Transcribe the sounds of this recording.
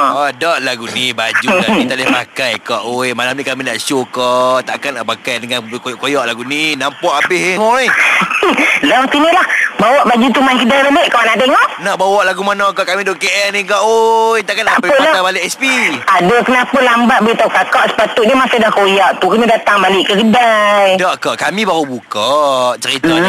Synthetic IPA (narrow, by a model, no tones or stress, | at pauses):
adaʔlaɡunibad͡ʒukait̪alɪhma̰kajkaʔojmalamnikaminaʔʃokɔʔt̪aʔkanaʔpakajdəŋankojʔkojaʔlaɡuninampɔʔapiɦmɔi | lɔŋt̪inilahbawɔʔbad͡ʒut̪umankidabəleʔkɔnaʔt̪eŋɔʔnaʔbawaʔlaɡumanakaʔkamidoʔkeʔɛnikaʔojt̪aʔkanapeʊnt̪abalɪʔɛspiadəkənapalambat̪̚bəɡit̪aukakaʔsə̥pat̪uʔɲəmasadahkojaʔt̪ukənadat̪aŋbalɪʔkəkədajdaʔkaʔkamĩbaɾubukaʔt͡ʃəɾit̪a